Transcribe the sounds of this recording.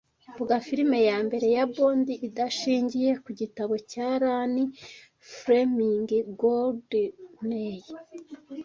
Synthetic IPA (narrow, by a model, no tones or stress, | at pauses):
buɡafiɾime̞jaːmbe̞ɾe̞jaboːndiʔidaʃiːɲɟije̞kuɟitaβo̞caɾani | fɾemiŋɡiɡoldneji